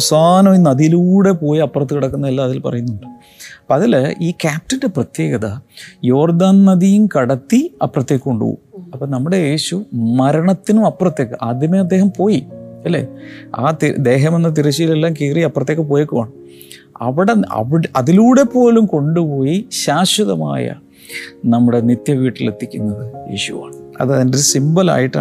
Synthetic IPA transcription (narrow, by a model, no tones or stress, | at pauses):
ɐɐsaːnɐminːɐðiluːɽe̞po̞ːjiɐpːrɐt̪ːɨkiɽɐkːunːɐðilːɐɐðilpɐ̰rɐjunːuɳɖɨ | ɐpːoɐðiliːkaːp̚ʈinde̞prɐt̪je̞ːɡɐðɐjo̞ːrd̪aːnnɐðijumkɐɽɐt̪ːiɐprɐt̪jeːkʲːkoɳɖṵːṵɐpːɐːnɐmːuɽe̞je̞ːɕumɐɾɐɳɐt̪ːinumɐprɐt̪ːjeːkːɨʔaːd̪jɐmeɐd̪ːe̞ːɦɐmpo̞ːjiɐlːe̞̰ːa̰ːt̪id̪e̞ːɦɐmenːɐt̪̬iɾɐt͡ɕːijilelːaːmkiːrijɐpːrɐt̪ːjekːɨpoːjekːumaːɳɨ | ɐ̰ʋiɽeɐ̰ʋiɐðiluːɽe̞pːo̞ːlumko̞ɳɖupo̞ːjiɕaːɕɐðɐma̰ːjɐ̰ | nɐmːuɽe̞nit̪jɐʋiːʈːilḛt̪ːikʲːunːɐðɨje̞̰ːɕuʋa̰ːɳɨɐ̰ðɐðindoɾusimbɐla̰ːjiʈːa̰